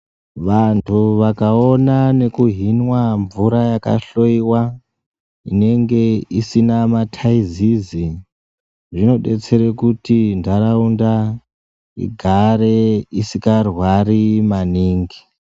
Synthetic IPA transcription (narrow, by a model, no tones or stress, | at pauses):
ʋantʰuʋakao̞nane̞kuɦinwaɱvuɾajaka̰ɬo̞iwa | ḭne̞ŋɡe̞isinamatʰaizizi | ʐino̞ɗe̞t͡se̞ɾekutindaɾaunda | ḭɡʱaɾe̞isikarwarimaniːŋɡi